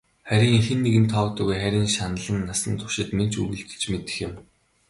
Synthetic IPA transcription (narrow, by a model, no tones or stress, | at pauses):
χæɾʲiːŋixɘ̆nːeɣɘ̆nt̪ʰːɔwt̪ə̆ɣujχæɾʲiːŋʃanə̆ɮə̆nːasə̆nt̪ʰʊ̥ʃɪ̆t̪men̥t͡ɕʰṵɣɘ̆ɮɡe̥t͡ɕmet̪ɘ̥̆xjɪ̆m